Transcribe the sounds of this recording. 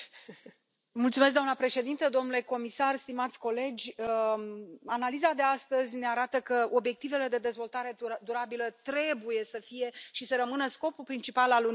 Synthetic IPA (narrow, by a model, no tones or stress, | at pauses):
mult̪sumes̬k̚ɡd̪amnəpɾe̞ʃe̞d̪int̪əd̪o̞mnule̞ko̞misarst̪imat̪sʲko̞le̞d͡ʒʲə | analizad̪e̞ast̪əzʲne̞aɾat̪əkəo̞bje̞k̚t̪ive̞le̞d̪e̞d̪e̞zvo̞lt̪aɾe̞d̪uɾabilət̪ɾe̞buje̞səfije̞ʃisəɾəmɨnəsko̞pulpɾint͡ʃipalalu